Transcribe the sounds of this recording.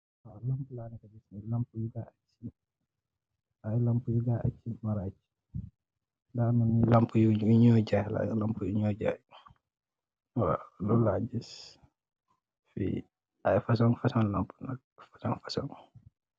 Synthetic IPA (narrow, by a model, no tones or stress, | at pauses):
walampulaːnikabisnilampujuɡaat͡ʃːi | ajlampujuɡaʔat͡ʃːimaɾat͡ʃi̥ | ndaːnunilampujuuɲɔɟala̰lampujuɲɔɟa̰h | wa̰lulaɲd͡ʒis | fḭ | ajfas̬ɔŋfasɔnlampuna̰k̚fasɔŋfasɔŋ